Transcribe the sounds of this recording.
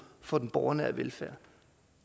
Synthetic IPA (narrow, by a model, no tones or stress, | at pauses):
fɒ̽d̥enb̥ɒʊɐnəæʋelfæ̰ɐ̰